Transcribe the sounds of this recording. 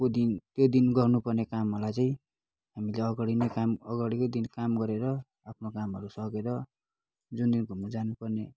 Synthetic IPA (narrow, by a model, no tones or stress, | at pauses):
kod̪int̪jod̪inɡʌrnupʌrnekamɦʌlajt͡saĩ | ɦamileʌɡʌɽinekamʌɡaɽikod̪inkamɡʌɾeɾʌ | apʰnokamɦʌɾusʌkeɾʌ | d͡zund̪inkumud͡zanupʌrne